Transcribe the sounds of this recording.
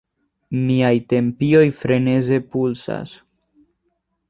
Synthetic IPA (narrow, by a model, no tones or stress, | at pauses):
miajte̞mpio̞jfɾe̞ne̞ze̞pulsa̰s